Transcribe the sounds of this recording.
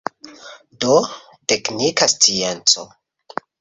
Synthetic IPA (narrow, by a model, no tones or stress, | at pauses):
do | te̞knikast͡sient͡so